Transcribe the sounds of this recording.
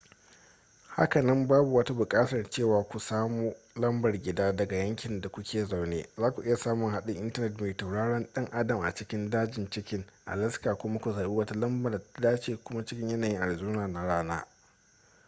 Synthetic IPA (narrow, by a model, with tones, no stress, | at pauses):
ha̰˦kɐ˨nɐ˦mbaː˦bu˨wɐ˦ta˦bʊ˨kʼaː˦tɐ˨rt͡ʃeː˦˨waː˨kʷu˨saː˦muː˦ | lɐ˦mbɐ˨rɡʲɪ˨daː˦dɐ˨ɡa˨jɐ˦ŋkʲɪ˨nda˨kʷʊ˦kʲʰeː˨za˨wneː˦zaː˦kʷu˨ʔɪ˦ja˨saː˦mʊ˨ŋɦa˦ɗʊ˦ŋʔɪ˦ntɐ˦nɛ˨t̬me˨ta˨wɽaː˦ɽɐ˦nɗɐ˦ŋʔa˦dɐ˨mʔa̰˨t͡ʃɪ˦kʲɪ˦ndaː˦d͡ʒɪ˨nt͡ʃɪ˦kʲɪ˦ŋʔa̰˨lɐ˦skaː˨kʷʊ˦ma˦kʷu˨zaː˨ɓiː˦wɐ˦ta˦lɐ˦mbɐ˨da˨ta˦daː˦t͡ʃeː˨kʷʊ˦ma˦t͡ʃɪ˦kʲɪ˦ɲjɐ˦naː˨ji˦ʔa˨ɽi˨zuː˦naː˨na˨ɽaː˦na̰ː˦